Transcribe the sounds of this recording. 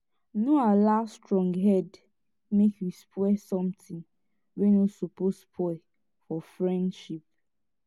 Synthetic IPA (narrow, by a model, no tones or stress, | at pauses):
noalastɹɔ̃ŋɡɦɛd | mekwispʰwɛsɔ̃mtɪ̃ŋ | wɛnosopospʰɔ | fɔfɹɛ̃ndʃip̚